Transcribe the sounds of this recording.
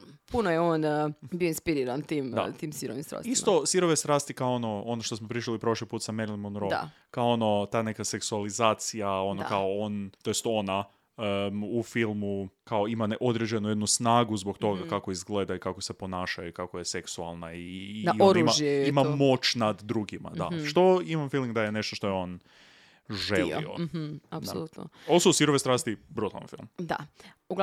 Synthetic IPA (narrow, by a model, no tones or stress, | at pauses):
punojeoːnbioinspiɾiɾant̪iːmd̪a̰t̪iːmsiɾoʋḭmst̪ɾa̰ːsisso̞siɾo̞ʋest̪ɾaːst̪ikaoono̞o̞noʃt̪o̞smopɾiʃilipɾo̞ʃlipuːt̪sameɾlˠimonɾoa̰ | kaoono̞t̪aːne̞kase̞ksualizaːt̪sijao̞nokaoont̪o̞jest̪o̞na | ufilˠmukao̞imanʔo̞d̪ɾed͡ʑenujed̪nusnaːɡuzbokt̪o̞ɡakako̞izɡle̞ːd̪aikako̞se̞po̞naːʃajuikakojeseksualˠnaiaɾimaʒeimamo̞t͡ɕnad̪ːɾuɡima̰d̪a̰ʃt̪o̞imamfilmiŋɡd̪ajene̞ʃt̪oʃt̪o̞jeo̞n | ʒelˠḭo̰adsolut̪noosuusiɾoʋesɾaːst̪ibɾut̪ala̰nfḭlˠmd̪a̰ | uɡ